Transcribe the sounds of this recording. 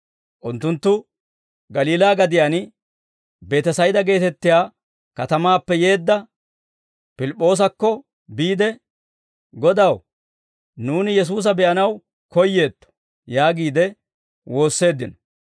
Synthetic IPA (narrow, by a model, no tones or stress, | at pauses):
ʔʊnt̪ːʊnt̪ːʊ | ɡɐliːlaːɡɐd̪ɪjan | be̞ːt̪ɛsɐjd̪ɐɡe̞ːt̪ɛt̪ːɪjaː | kɐt̪ɐmaːpːɛje̞ːd̪ːɐ | pɪlɪpʼːo̞ːs̬ɐkːɔ | biːd̪ɛ | ɡɔd̪ɐw | nuːnɪjɛs̬uːs̬ɐbɛʔɐnɐw | kɔjːe̞ːt̪ːɔ̥ | jaːɡiːd̪ɛ | wo̞ːsːe̞ːd̪ːɪnɔ